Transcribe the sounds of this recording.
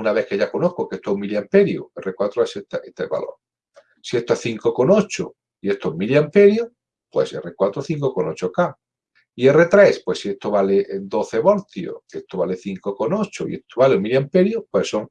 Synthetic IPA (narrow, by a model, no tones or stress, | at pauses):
unaβe̞hkeʝakonoθkokeest̪oeumiljampeɾjo̰erekwat̪ɾoeset̪aet̪eβa̰lo̞̰ɾ | sie̞st̪oeθiŋkoko̞no̞t͡ʃo̰ | iest̪oemiljampeɾjo | pwe̞̰sḛrekwat̪ɾoθiŋkokonot͡ʃoka | ie̞ret̪ɾe̞spwesːiest̪oβaleʔnd̪o̞θeβo̞ɾt̪ijo̰est̪oβale̞θiŋkoko̞no̞t͡ʃoḭet̪oβaleumilampeɾjopwesːoŋ